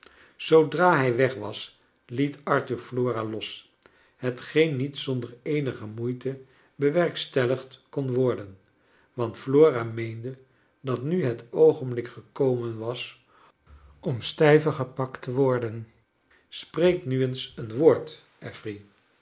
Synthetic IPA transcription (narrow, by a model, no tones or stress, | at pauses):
sowdraːɦɛjʋɛχʋɑs | litɑɹtyɹfloːralɔs | ɦətχejnːitsɔndəɹejnəχəmujtə | bəʋɛɹkstɛləχtkɔnʋɔɹdən | ʋɑntfloːraːmejndə | dɑtnyɦətowχənblɪkχəkowmənʋɑs | ɔmstɛjvəχəpɑktʰəʋɔɹdən | sprejknyənsənʋoːɹt | ʔɛfri